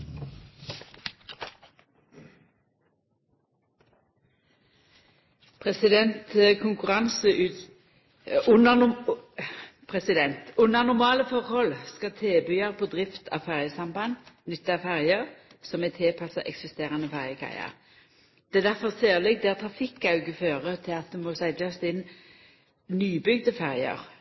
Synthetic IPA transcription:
pʰʁɛsɪd̪ɛnt̪kʰʊŋkʉʁɑnsəʉ | nə | pʰʁɛsɪd̪ɛnt̪ʊnəʁnʊʁmɑːləfɔʁhɔlskɑt̪ʰeːbyɑʁpʰɔd̪ʁɪft̪ʰɑ̰ʋfæʁjəsɑmbɑnːnʏt̪ːəɑʋfæʁjəʁsɔmɛt̪ʰɛːpʰɑsɑʔɛ̰ksɪst̪eːʁɑnəfæʁjəkʰæ̰ɪɑ̰ʁ | d̪̥ɛːd̪æʁfɔseːʁlɛɡ̚d̪ɛæt̪ʰʁɑfɪkːɑʉɡəføːʁət̪ʰɪlɑt̪̚d̪ɛmoːsæɪd̪ɑsd̪ɪn | nyːbʏɡd̪əfæʁjə̰ʁ

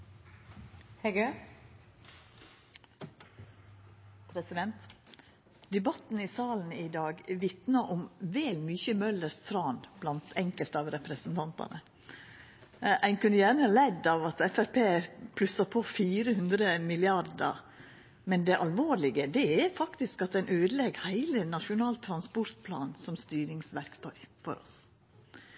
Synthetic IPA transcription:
hɛɡø | pʰɾɛsɪd̪ɛnt̪ | d̪ɛbɑt̪n̩ɪsɑːln̩ɪd̪ɑːɡʋɪt̪nɑʔʊmʋɛːlmyːçəmœləst̪ʰɾɑːnblɑnt̪ʰɛŋkəlt̪ɑːʋɾɛpɾəsnt̪ʰɑnt̪ɑ̰nə | ʔæɪnkʰʉnːəjæːnəlɛd̪ːɑʋɑt̪ɛfæɾpʰeːpʰlʉsːɑpʰofiːɾəhʉnd̪ɾəmɪlɪɑɾd̪ə̰ɾ | mɛnd̪ɛʔɑlʋoːɾɭɪɡəd̪ɛæɾfɑkt̪ɪskɑt̪æɪnʔøːd̪əlɛɡhæɪlənɑʂʊnɑːlt̪ʰːɾɑnspɔɾt̪̚pʰlɑ̰ːnsɔmst̪yːɾɪŋsʋæɾkt̪ʰœʏfɔ̰ɾɔ̰s

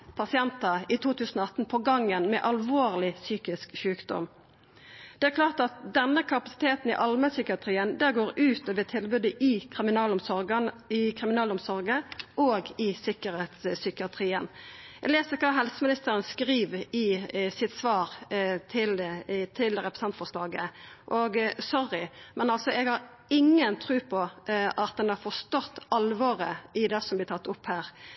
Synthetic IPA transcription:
pʰɑsɪɛnt̪ɑɪt̪ʰuːt̪ʰʉːsən̩ɔɑt̪npʰɔɡɑŋːənmɛʔɑlʋoːʁlɪsyːkɪskʃʉːkd̪ɔ̰m | d̪̥ɛæːɾklɑːʁt̪ɑt̪̚d̪ɛnːəkʰɑpɑsɪ̥t̪ʰeːt̪n̩ɪ̰ʔɑlməsʏkɪɑt̪ʰʁiːənd̪æːɾɡoːɾʉːt̪oːʋət̪ʰɪlbʉd̪əʔɪkʰʁɪmɪnɑːlɔmsɔɾɡən | ɪkʰʁɪmɪnɑːlɔmsɔɾɡəʔoːɡɪsɪkəɾeːt̪ssʏkɪɑt̪ʰʁiːənɛɡleːsəkʰɑːɦɛlsəmɪnɪst̪əɾənskɾiːʋɪsɪt̪sʋɑːɾt̪ʰɪlt̪ʰɪlɾɛpɾəsɛnt̪fɔʁʂlɑːɡəʔɔɡsɔɾɪmɛnɑlsɔɛɡhɑɾ | ɪŋːənt̪ʰɾʉːpʰɔʔɑt̪̚d̪ɛnɑɾfɔst̪ɔt̪ːɑlʋɔɾəɪd̪ɛsɔmblɪt̪ʰɑt̪ːɔphæːʁ

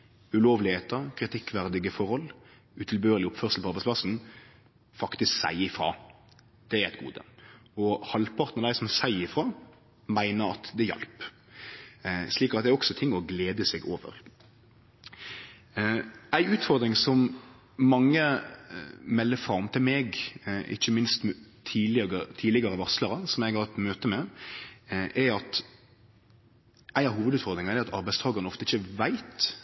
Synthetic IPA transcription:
ʉloːʋlɪheːt̪ɑkʰɾɪt̪ʰɪkːʋæʁd̪ɪɡəfɔɾɔl | ʉt̪ʰɪlbøːɾəlɪɔpfœːʁsl̩pʰɔɑʁbæɪspʰlɑsn̩ | fɑkt̪ɪsksæ̰ɪɪfɾɑ̰ː | d̪̥ɛæɾæɪt̪̚ɡṵːd̪ə̰ɔhɑlpʰɑʁt̪nəʁd̪æɪsɔmsæɪɪfɾɑː | mæɪnəɾɑ̰t̪d̪ɛjɛ̰lp | ʂliːkɑt̪̚d̪ɛæɔksɔt̪ʰɪŋːɔɡleːd̪əsɛɡoːʋə̰ɾ | æɪʉːt̪fɔɾd̪ɾɪŋsɔm | mɑŋːə | mɛlːəfɾɑmt̪ʰɪlmeɡʔɪ̰çːəmɪnst̪t̪ʰiːlɪt̪ʰiːlɪɡəɾəʋɑsləɾənsɔmjæɡhɑɾt̪møːt̪əmɛ | ʔæɑt̪ | ʔæɪnɑhuːʋəd̪ʉːt̪fɔɾd̪ɾɪŋɑæɾɑt̪ʰɑɾbæɪst̪ʰɑːɡəɾnɔft̪əɪçəʋæɪt̪

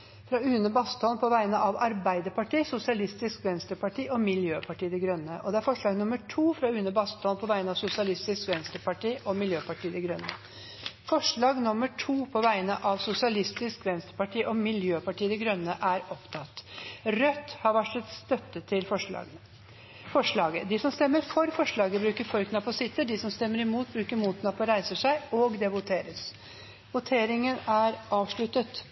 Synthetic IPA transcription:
fɾɑʉːnəbɑst̪ɔnpʰɔʋæɪnəʔɑʋɑɾbæɪd̪əpɑʈiːsʊsɪɑlɪst̪ɪskʋɛnst̪əɾpɑʈʰiːʔɔmɪljøːpʰɑʈiːəd̪ɛɡɾœnːəʔɔd̪ɛæɾfɔʂɭɑːɡnʊməʈʰuːfɾɑʉːnəbɑst̪ʰɔnpʰɔʋæɪnɑʋsʊsɪɑlɪst̪ɪskʋɛnst̪əɾpɑʈiːʔɔmɪljøːpɑʈiːd̪ɛɡɾœnːə | fɔʂɭɑːɡnʊməʈʰuːpʰɔʋæɪnəʔɑʋsʊsɪɑlɪst̪ɪskʋɛnst̪əɾpɑʈʰiːʔɔmɪljøːpɑʈiːd̪ɛɡɾœnːəʔæɾɔpt̪ʰɑt̪ːɾœt̪ːhɑɾʋæʈːɛt̪st̪œt̪ːət̪ʰɪlɔ̰ | fɔʂɭɑːɡəd̪ɪsɔmst̪ɛmːəɾfɔɾfɔʂɭɑːɡəbɾʉːkəfɔɾknɑpɔsɪt̪ːəɖɪsɔmst̪ɛmːəɾɪmuːt̪̚bɾʉːkəɾmuːt̪nɑpɔɾæɪsəʂæɪɔɡd̪ɛʋʊt̪ʰeːɾəs | ʋʊt̪ʰeːɾɪŋənæɾɑːʋʂɭʉt̪ət̪

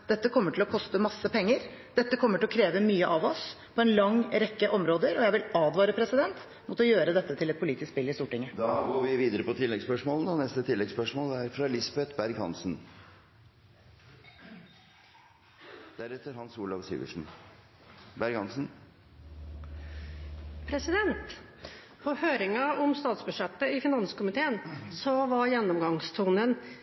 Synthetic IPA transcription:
d̪ɛt̪ːəkʰɔmːəʈʰɪlɔkʰɔst̪əmɑsːəpʰɛŋːəɾ | d̪̥ɛt̪ːəkʰɔmːəʈʰɪlɔkʰɾeːʋəmyːəʔɑʋɔs | pʰɔɛnlɑŋɾɛkːəʔɔmɾoːd̪əɾɔjæɪʋɪlɑːd̪ʋɑːɾəpʰɾɛsɪd̪ɛnt̪ | mɔt̪ɔjøːɾəd̪ɛt̪ːət̪ʰɪlɛt̪̚pʰʊliːt̪ɪskspɪlːɪst̪uːʈɪŋːəd̪ɑːɡoːɾʋɪʋiːd̪əɾəpɔt̪ʰɪlːɛɡspœʂmoːlənɑnɛst̪ət̪ʰɪlːɛɡspœʂmoːlæɾfɾɑlɪsɑbɛt̪bæɾɡhɑnsn | d̪̥æɾɛt̪ːəɾhɑnsuːlɑʋsḭːʋə̰ʂn̩ | bæɾɡhɑnsn̩ | pʰɾɛsɪd̪ɛnt̪ | pʰɔhøːɾɪŋɑɔmst̪ɑːt̪sbʉʂɛt̪ːəɪfɪnɑnskʊmɪt̪ʰeːənsɔʋɑɾjɛnːɔmɡɑŋst̪ʰuːnən

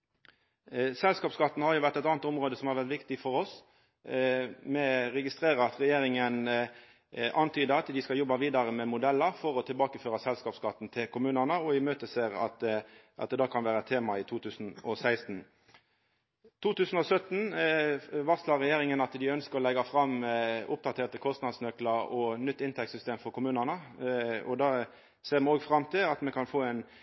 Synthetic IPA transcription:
sɛlskɑːpskɑt̪ːnhɑɾjʊʋæʁt̪ɛt̪ɑːnət̪ɔmʁoːd̪əsɔmæʁʋɛʁt̪ʋɪkt̪ɪfɔɾɔs | mɛɾɛɡɪst̪ʁeːʁəɾɑt̪ʁɛjeːɾɪŋən | ʔɑnt̪ʰyːd̪əɑt̪d̪ɪskɑljɔbɑʋiːd̪ɑʁəmɛmʊd̪ɛlːəʁfɔɾɔt̪ʰɪlbɑːkəføːɾɑsɛlskɑːpskɑt̪ːn̩t̪ʰɪlkʰʊmʉːnənəɔɪmøːt̪əseːɾɑ̰t̪ʔɑ̰t̪̚d̪ɛd̪ɑːkʰɑnʋæːɾəɛt̪ʰːeːmɑɪt̪ʰuːt̪ʰʉːsn̩ɔsæɪst̪n̩ | t̪ʰuːt̪ʉːsn̩ɔsœt̪n̩ | ʋɑʁslɑʁɛjeːɾɪŋənɑt̪d̪ɪœnskəʁɔlɛɡɑfɾɑmʊp̚d̪ɑt̪ʰeːʁt̪əkʰɔst̪nɑd̪snœkləɾɔnʏt̪ːɪnt̪ʰɛkt̪sʏst̪eːmfɔɾkʰʊmʉːnənəɔ̰d̪ɑː | seːʁmɛoːɡfʁɑmt̪ʰɪlɑt̪mɛkʰɑnfoːæɪn

